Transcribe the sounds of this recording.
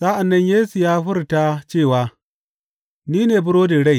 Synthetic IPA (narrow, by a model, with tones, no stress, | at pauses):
sa˦ʔa˨nːɐ˦ɲjeː˦su˨jaː˦ɸʊ˦rta˦t͡ʃeː˦˨waː˦ | niː˦neː˨bʊ˦ɽoː˦de˨ɽa˦j